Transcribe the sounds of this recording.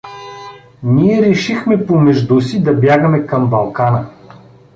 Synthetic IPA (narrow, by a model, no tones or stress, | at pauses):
niɛɾɛʃixmɛpomɛʒd̪usid̪ɐbʲjaɡɐmɛkɐmbɐlˠkanə